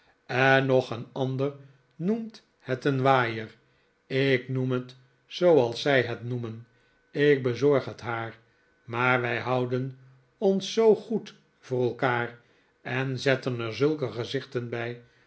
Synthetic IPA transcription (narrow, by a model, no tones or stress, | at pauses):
ɛnɔχənɑndər | numt | hɛtənʋaːjər | ɪknumɦət | sowɑlˠsːɛjɦɛtnumən | ɪk̚bəzɔɹχɦətɦaːɹ | maːɹʋɛjɦʌwdən | ɔnsːowχut | v̥ʊːrɛlˠkaːr | ɛnzɛtənəɹzɵlˠkəχəzɪχtənbɛj